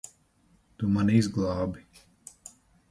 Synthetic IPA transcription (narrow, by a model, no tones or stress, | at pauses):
t̪umanizɡlˠɑːbi